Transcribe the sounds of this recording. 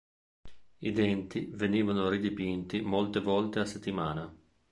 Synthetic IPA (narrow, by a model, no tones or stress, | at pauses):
id̪ɛnt̪iveniːvanoɾid̪ipint̪imolt̪evɔlt̪easet̪ːimaːna